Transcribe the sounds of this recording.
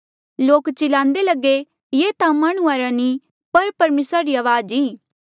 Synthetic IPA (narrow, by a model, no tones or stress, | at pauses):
loːkt͡ʃɪlãːnd̪elɐɡe | jeːt̪ãmaːɽ̃uaːɾãni | pɐɾpɐɾmeːsɾaɾiaːʋaːd͡ʒiː